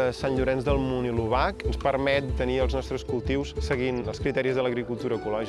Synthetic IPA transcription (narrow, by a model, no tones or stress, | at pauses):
əsanʎuɾɛnzðəlˠmuniluβakənspərmɛt̪̚d̪əniəlˠznɔst̪ɾəskulˠt̪iwsːəɣinəlˠskɾit̪ɛɾizðələɣɾikulˠt̪uɾəːkulɔʒi